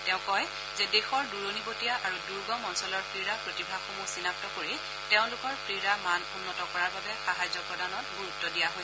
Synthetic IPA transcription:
tɛʊ̃kɔj | zɛdexɔɹduɹonibotijaʔaɹuduɹɡɔmɔnsɔlɔɹpʰɹiɹapɹotibʱaɡxomusinap̚tɔkoɹi | teʊ̃lʊkɔɹpʰɹiɹamanunːɔtɔkɔɹaɹbabɛxaɦazɔpɹɔdanɔt̚buɹutːɔdijaɦoj

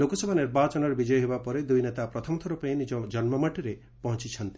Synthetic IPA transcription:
lokɔsɔbʱɔniɾbat͡ʃɔnɔɾɔbid͡ʒɔjɔɦebapɔɾed̪ujnet̪apɾɔt̪ʰɔmɔt̪ʰɔɾupɔẽnid͡ʒɔd͡ʒɔnmɔmaʈiɾe | pɔɦɔ̃t͡ʃit͡ʃʰɔnt̪i̥

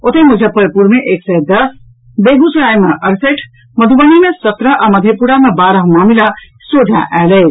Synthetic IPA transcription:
ot̪emud͡ʒʱepəɾpuɾmeʔeksəjd̪ʌs | beɡusɾajmeʔəɾseʈʰ | məd̪ʱubənimesət̪ɾəʔaməd̪ʱjepuɾamebaɾəɦmamila | sodʱa̰ʔalej

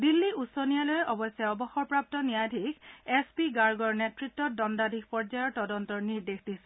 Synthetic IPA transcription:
dilːiʔusonijalojɛʔɔbɔsjaɔbɔxɔɹpɹap̚tɔnijadʱikʰespiɡaɹɡɔɹnetɹitːɔt̚dɔndadʱixpɔɹzajɔɹtɔdɔntɔɹniɹdexdis

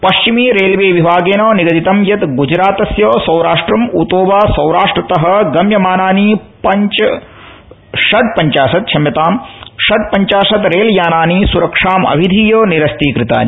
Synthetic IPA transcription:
pɐʃt͡ʃimiːɾeːlʋeːʋibʱaːɡeːnoːniɡɐd̪it̪ɐmjɐt̪ɡud͡ʒɾaːt̪ɐsjoːsɐwɾaːʂʈɾɐmut̪oːʋaːsɐwɾaːʂʈɾɐt̪ɐɦɐ̆ɡɐmjɐmaːnaːnipɐɲt͡ʃ | ʃɐɖ̚pɐɲt͡ʃaːʃɐt̪̚t͡ʃʰɐmjɐt̪aːmʃɐɖ̚pɐɲt͡ʃaːʂɐt̪ɾeːljaːnaːnisuɾɐkʂaːmɐ̰ʋʱid̪ʱiːjoːniɾɐst̪iːkɾit̪a̰ːni

